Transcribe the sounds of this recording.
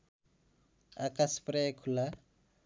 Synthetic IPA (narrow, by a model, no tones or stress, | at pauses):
akaspɾekʰula